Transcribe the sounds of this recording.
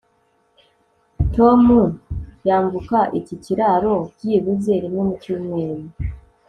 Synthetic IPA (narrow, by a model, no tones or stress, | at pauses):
to̞mujaːɱvukaʔiciciɾaɾo̞ciβuzeɾinomucumweːni